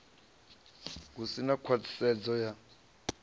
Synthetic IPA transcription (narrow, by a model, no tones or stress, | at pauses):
k̬usinakʰwat͡sʰi̥sɛd͡zɔja